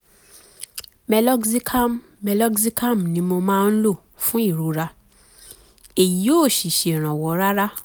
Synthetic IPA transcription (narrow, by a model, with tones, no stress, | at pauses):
mɛ˧lɔ˦ksi˦kʰa˦˨mː | ɛ˧lɔ˦kzi˦ka˦˨mnĩ˧˦mo˧mãː˦˧n̩˦lo˦˨ | fũ˦i˦˨ɾu˨˦ɾa˧ | e˨ji˨˦o˦˨ʃi˨ʃe˨ɾ̃ã˨wɔ˨˦ɾa˦ɾa˦